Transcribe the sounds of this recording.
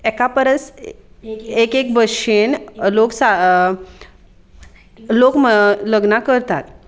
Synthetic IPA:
ɛkapəɾəs | ekek̚bəɕenloksa | lokmələɡnakəɾt̪a̰t̪

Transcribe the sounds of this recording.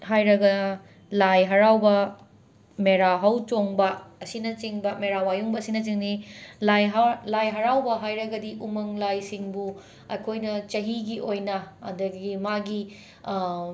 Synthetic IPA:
hajɾɐɡɐ | lajɦɐɾawbɐ | meɾaɦɐwt͡ʃoŋbɐːsinɐt͡ʃiŋbɐmeɾawajuŋbɐːsinɐt͡ʃiŋnilajɦlajɦɐɾawbɐɦajɾɐɡɐdiʔumɐŋlajsiŋbu | ɐjkʰojnɐt͡ʃɐɦiɡiʔojnɐɐ̰dɐɡimaɡi

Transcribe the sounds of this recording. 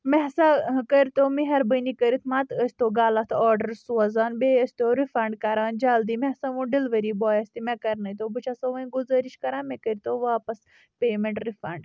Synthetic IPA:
mɛɦsakəɾʲt̪oːmiɦɐɾbənikəɾit̪ʰmãːt̪əsʲt̪oːɡaːlat̪ʰɔːɾɖɐɾsuzaːnbeːəsʲt̪oːɾifɐɳɖkaɾaːnd͡ʒaːld̪iːmɛɦsaʋũːɖilʋəɾiːbɔːjɐst̪imɛ̃kɐɾnɐjt̪oːbɨt͡ʃʰaːsɐʋɐ̃ĩɡuzɐɾiʃkɐɾãːmɛ̃kəɾʲt̪oːʋaːpɐs | peːmẽɳʈɾifɐɳɖ

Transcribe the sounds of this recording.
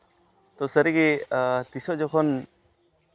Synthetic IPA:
t̪ɔsəɾiɡet̪isɔʔd͡ʒɔkʰɔn

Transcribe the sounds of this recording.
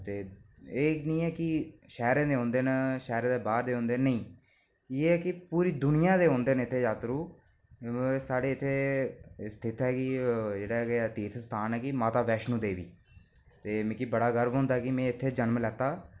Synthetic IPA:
t̪eːeːnĩːɛːkɪʃɛːɾẽːd̪eːɦõːnd̪eːnʃɛːɾãːd̪eːbaːɾd̪eːɦõːnd̪eːnəĩː | keːɛːkɪpuːɾiːd̪ʊnɪjãːd̪eːɦõːnd̪eːnɪt̪ʰːeːd͡ʒaːt̪ɾuː | saːɖeːɪt̪ʰːeːst̪ʰɪt̪ɦɛːkɪd͡ʒeːɽaːket̪iːt̪ʰst̪ʰaːnɛːkɪmaːt̪aːʋɛːʃnũːd̪eːʋḭː | t̪eːmẽkibəɽaːɡəɾbɦõːnd̪aːɛkɪmɛ̃ːɪt̪ʰːeːd͡ʒənmlɛːt̪aː

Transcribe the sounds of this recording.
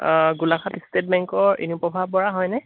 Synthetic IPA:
ɡulakʰatistet̚mɛŋkɔɹḭnupɔbʱab̚bɔɹaɦɔjnɛ

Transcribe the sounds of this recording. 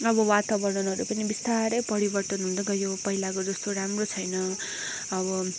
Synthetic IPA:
ʌbʌwat̪abʌɽʌnʌɾupʌnibist̪aɾʌjpʌɾibʌrt̪ʌnɦunt͡sʌɡʌjopʌɦilakod͡zʌst̪oɾamrot͡sʰʌjnʌ | ʌβʌ

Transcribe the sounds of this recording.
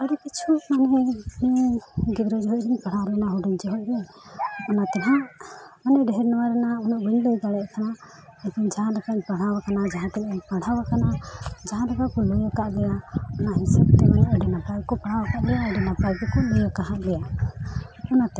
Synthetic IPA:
aɾɔkit͡ʃʰumaniniɡibɾɔd͡ʒɔɦɔcɾiɲpaɽ̤awɾɛnaɦɔɖɔɲd͡ʒɔɦɔʔ̚ɾɛɲ | ɔnat̪ɛlaʔmanɛɖɛɦɛɾnɔwaɾɛnaɔnaʔbuɲlɔjɡ̪aɽɛʔkana | ɛt̪ɔɲd͡ʒaɦãlɛkapaɽ̤awakanad͡ʒaɦãt̪ɛnɛɲpaɽ̤awakanad͡ʒaɦãɾɛkakɔlɔjɔkaʔlɛjaɔnahisɛb̚t̪ɛmaɲaʔɛɖɛnapajkɔpaɽ̤awakaʔlɛjaɛɖɛnapalkɔkɔlɔjɔkaɦaʔlɛja | ɔnat̪ɛ

